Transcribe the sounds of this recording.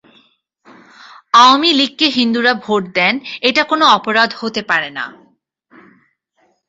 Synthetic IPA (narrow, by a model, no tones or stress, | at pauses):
amilikːeɦind̪uɾabʱoʈ̚d̪ɛneʈakonoɔpoɾad̪ʱhot̪epaɾena̰